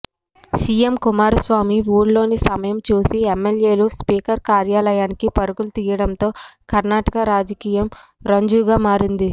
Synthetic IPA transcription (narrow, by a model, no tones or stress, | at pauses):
siːjemkumaːɾɐsʋaːmiʋuːɾlo̞ːnisɐmɐjɐmt͡ʃuːsiemːelje̞ːluspiːkɐɾkaːɾjaːlɐjaːnikipɐɾuɡulut̪iːjɐɽɐnt̪o̞ːkɐɾnaːʈɐkɐɾaːd͡ʒɐkiːjɐmɾɐɲd͡ʒuːɡaːmaːɾind̪i